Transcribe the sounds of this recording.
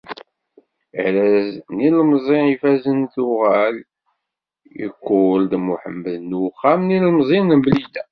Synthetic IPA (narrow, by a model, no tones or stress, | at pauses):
əʕɾæznilmzˤiifæzənθuʁæl | ḭkʷːʊld̪muħə̰mːəðnuχːamnillmzˤinəmblid̪æ